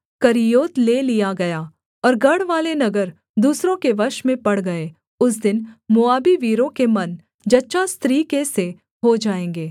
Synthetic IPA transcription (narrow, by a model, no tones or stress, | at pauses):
kɐɾijoːt̪leːlijaɡɐjaː | ɔːɾɡɐɽʋaːlenɐɡəɾ | d̪uːsɾõkeʋɐɾʃmẽpɐɽɡɐe | ʊs̬d̪ɪnmʊaːbiʋiːɾõkemɐn | d͡ʒɐtːʃast̪ɾiːkese | ɦod͡ʒaːẽːŋɡeː